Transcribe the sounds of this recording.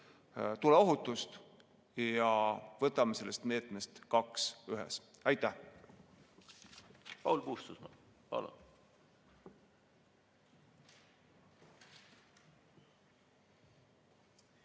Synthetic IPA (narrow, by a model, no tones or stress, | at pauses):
t̪uleo̞ɦut̪ːˑust̪ | jɑvɤt̪ːˑɑmese̞lːe̞st̪me̞ːt̪me̞st̪kɑksyɦɛ̰sæjt̪ːˑæ | pɑ̰wlpuːst̪usmɑpɑ̰lṵn